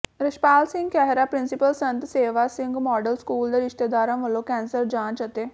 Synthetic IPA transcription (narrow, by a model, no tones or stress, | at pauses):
ɾəʃpaːlsɪ̃ŋɡkɛːɦɾaːpɾɪnsɪpəlsə̃nt̪seːʋasɪ̃ŋɡmɔːɖəlskuːld̪eːɾɪʃt̪ed̪aːɾãːʋəlõːkɛ̃ːnsəɾd͡ʒãːt͡ʃət̪eː